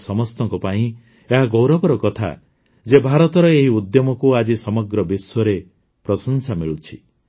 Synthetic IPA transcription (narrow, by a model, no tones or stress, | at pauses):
sɔmɔst̪ɔŋkɔpaĩ | eɦaɡowɾɔbɔɾɔkɔt̪ʰa̰ | d͡ʒebʱaɾɔt̪ɔɾɔeɦiud̪jɔmɔkuad͡ʒisɔmɔɡɾɔbiswɔɾe | pɾɔsɔnsamiɭut͡ʃʰi